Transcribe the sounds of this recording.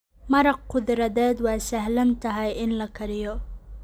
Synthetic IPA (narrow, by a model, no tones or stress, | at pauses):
mɐɾɐq̚qʊðɾɐðɛːd̪wɑːsɐɦlɐnt̪ʰɐɦɐjɪnlɐkʰɐɾɪjɔ